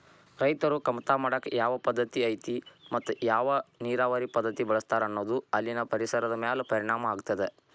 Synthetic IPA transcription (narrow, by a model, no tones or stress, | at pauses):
ɾɐjt̪ɐɾukɐmt̪aːmaːɽɐkːejaːʋɐpɐd̪ːɐt̪iɐjt̪imɐt̪ːujaːʋɐniːɾaːʋɐɾipɐd̪ːɐt̪ibɐɭɐst̪aːɾɐnːoːd̪uɐlːinɐpɐɾisɐɾɐd̪ɐmeːlepɐɾiɳaːmɐaːɡut̪ːɐd̪e